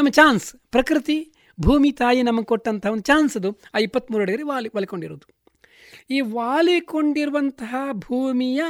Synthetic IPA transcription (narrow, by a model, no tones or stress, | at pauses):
nɐmːɐt͡ʃaːnspɾɐkɾit̪i | bʱuːmit̪aːjinɐmːɐɡkoʈːɐnt̪ʰɐɦɐʋɐnd̪ut͡ʃaːnsɐd̪uaːjipːɐt̪ːmuːɾɐɽɐɡɐɾiʋaːliʋaːlikoɳɖiɾo̰ːd̪u | iːʋaːlikoɳɖiɾuʋɐnt̪ɐɦɐbʱuːmijɐ